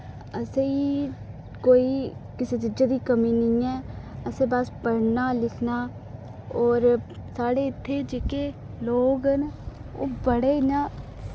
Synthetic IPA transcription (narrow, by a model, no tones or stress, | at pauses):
əseiː | koːiːkɪseːt̪ɪd͡ʒaːd̪iːkəmiːnəĩːɛːəsẽːbəspəɽnaːlɪkʰnaː | ɔːɾsaːɽeːɪt̪ʰːeːd͡ʒeːkeː | loːɡɦəno̰ːbəɽeːɪnãː